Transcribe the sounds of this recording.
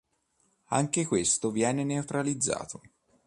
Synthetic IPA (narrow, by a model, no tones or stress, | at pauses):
aŋkekwest̪ovjɛːneneut̪ɾalid̪zːa̰ːt̪ʰo